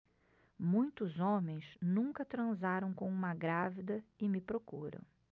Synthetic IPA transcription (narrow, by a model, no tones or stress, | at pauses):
mũj̃t̪ʊzõmẽj̃snũkɐt̪ɾɐ̃zaɾɐ̃w̃kõũmɐɡɾavid̪ɐɪmɪpɾokuɾɐ̰̃w̃